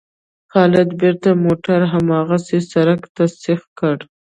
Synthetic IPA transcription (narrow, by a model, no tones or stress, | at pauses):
xɑlɪd̪beɾt̪amoʈaɾɦamɑɣasesaɾakt̪asɪxkəɽ